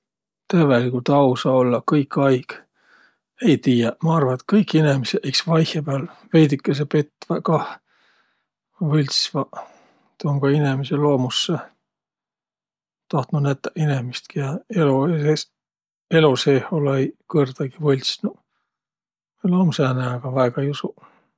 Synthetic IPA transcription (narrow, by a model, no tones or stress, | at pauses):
t̪øvelikult̪ɑwsɑolːɑkɤjkːɑjɡ̥ | ejt̪iːjɑmɑɑrvɑet̪kɤjkːˑinemiseʔeksvɑjhepeɑlvejd̪ikːˑes̬epe̞t̪ːvɑkɑh | vɤlʲt̪svɑ | t̪oŋɡɑinemiselo̞ːmusːe | t̪ɑht̪nunæt̪ːɑʔinemist̪kijɑelueses | e̞luseholejkɤrd̪̥ɑɡ̥ivɤlʲsnu | loːmusæneɑɡ̥ɑvæeɡ̥ɑjusu